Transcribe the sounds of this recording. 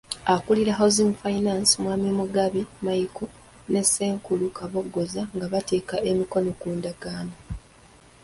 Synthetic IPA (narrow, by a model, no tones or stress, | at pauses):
akuliɾaɦozimfajinaːnsimwaːmimuɡaβimajiku | ne̞sːe̞ːŋkulukaβo̞ɡːo̞zaŋɡaβate̞ːkaʔe̞miko̞no̞kuːndaɡ̥aːna